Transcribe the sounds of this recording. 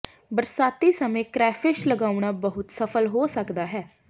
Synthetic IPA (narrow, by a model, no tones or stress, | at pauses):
bəɾsaːt̪iːsəmẽːkɾɛːfʰɪʃləɡaːuɽ̃aːbəɦʊt̪səpʰəlɦoːsəkd̪aːɦɛː